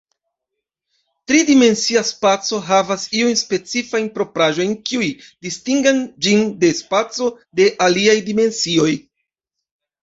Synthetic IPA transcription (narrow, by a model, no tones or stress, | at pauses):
tɾidime̞nsiaspat͡so̞ɦavasiujnspe̞t͡sifajnpɾo̞pɾaʒo̞jnkiujdistiŋɡand͡ʒinde̞spat͡so̞ | de̞ʔaliajdime̞nsio̞j